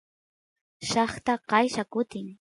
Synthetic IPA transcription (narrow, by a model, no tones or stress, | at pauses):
ʃɑχt̪aqɑjʃakʊt̪ɪŋ